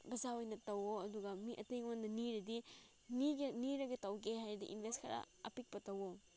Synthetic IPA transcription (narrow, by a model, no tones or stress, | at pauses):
bɐzaojnɐtɐwoɐduɡɐmiʔɐ̰tejŋwandɐniɾɐdi | niɡeniɾɐɡetɐwɡeɦajɾdḭʔinbʱestkʰɐɾa̰ | ɐ̰pik̚pɐtɐwo